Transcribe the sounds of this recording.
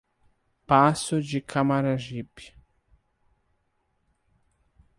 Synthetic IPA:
pasʊd͡ʒikʰamaɾaʒip

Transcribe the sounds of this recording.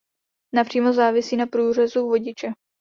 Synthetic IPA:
napr̝̥iːmozaːvɪsiːnapɾuːr̝ɛzuːvo̞ɟɪt͡ʃɛ

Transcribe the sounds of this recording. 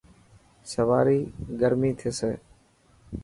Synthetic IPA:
səʋaːɾiːɡəɾmiːt̪ʰeːseː

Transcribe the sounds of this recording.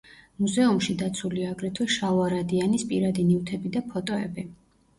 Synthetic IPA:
muzɛumʃid̪at̪sʰuliaːɡɾɛt̪ʰwɛʃauaɾad̪ianispʼḭɾad̪inivt̪ʰɛbid̪apʰɔt̪ʼɔɛ̰bi

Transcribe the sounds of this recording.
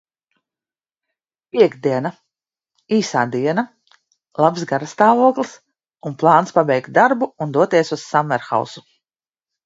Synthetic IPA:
pʲiɛɡd̪iɛna | iːsaːd̪iɛna | lˠabzɡaɾast̪aːvuɔklˠis | unplˠɑːnspabɛjkt̪̚d̪aɾbuund̪uɔt̪iɛsusːamːɛɾxa̰wsu

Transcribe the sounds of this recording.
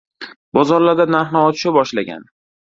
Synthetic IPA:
bɒzɒɾlaɾd̪anaɾɦnaɒt̪ʰʃabɒʃlaɡʲa̰n

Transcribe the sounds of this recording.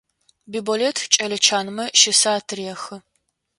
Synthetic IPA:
biːboletʰt͡ʃʼɐlɨt͡ʃʰaːnmɐʃɪsaːtʰɨriɛxɨ

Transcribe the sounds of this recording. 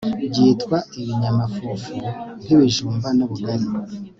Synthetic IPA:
ɟiːtkwaeβiɲamafufun̥iβiʒuːmbanoβuɡaɾi

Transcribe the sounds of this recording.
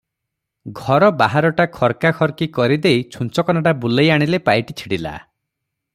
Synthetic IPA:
ɡʱɔɾɔbaɦaɾɔʈakʰɔɾkakʰɔɾkikɔɾid̪ejt͡ʃʰunt͡ʃɔkɔnaɽabulejaɽ̃ilepajʈit͡ʃʰiɽila̰

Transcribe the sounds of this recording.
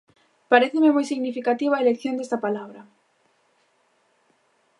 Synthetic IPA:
paɾeθememojsiɣnifikat̪iβaelekθjõnd̪est̪apalaβɾɐ

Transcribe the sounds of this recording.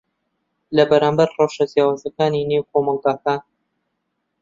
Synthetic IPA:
lɐbɐɾaːmbɐɾrɑwʃazjaːwaːzɐkaːninewkʰomɑlˠɡaːkaːn

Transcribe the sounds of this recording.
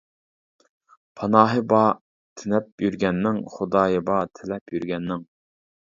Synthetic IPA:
pʰɑnɑːɦɨbɑ | t̪ʰɪnɛp̚jyɾɡʲɛnːɪŋχʊd̪ɑːjɨbɑt̪ʰɪlɛpjyɾɡʲɛnːɪŋ

